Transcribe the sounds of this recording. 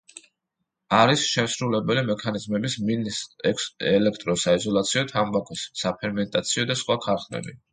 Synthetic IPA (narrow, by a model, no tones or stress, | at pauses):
aɾisʃɛmsɾulɛbɛlimɛkʰanizmɛbisminisɛkɛlɛkʰt̪ʼɾɔsaizɔlˠat̪sʰiɔt̪ʰambakʰʼɔsːapʰɛɾmɛnt̪ʼat̪sʰiɔd̪asχwakʰaɾχnɛ̰bḭ